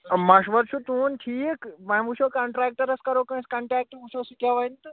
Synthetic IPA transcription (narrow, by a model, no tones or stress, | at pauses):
mɐʃʋɐɾt͡ʃʰut̪uːnʈʰiːkmɐjmuʃʰokɐɳʈɾaːk̚ʈɐɾɐskɐɾokɐ̃ːskɐɳʈɾaːk̚ʈʋuʃosikaʋɐint̪ɨ